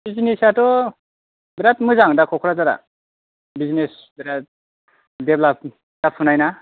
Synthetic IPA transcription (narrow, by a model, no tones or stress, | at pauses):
bizinisatɔ | biɾatmɯzaŋdakʰɔkʰɔɾazaɾa̰ | bizines | biɾat̚ | deblap̚ | tap̚ʰunajna